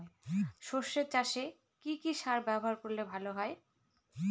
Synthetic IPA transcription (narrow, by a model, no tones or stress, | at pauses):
eʃoʃːet͡ɕaʃe | kikiʃaɾbɛboɦaɾkoɾlebʱaloɦɔe